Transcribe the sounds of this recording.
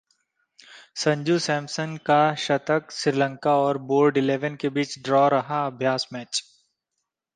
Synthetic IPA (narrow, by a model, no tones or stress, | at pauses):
sɐ̃ɲd͡ʒusɛ̃ːmsəŋkaʃɐt̪əksɪɾɪlə̃ŋkaɔːɾboːɾɖɪleːʋənkebiːt͡ʃɖɾɔːɾɐɦaɐbʱjaːsmɛːt͡ʃ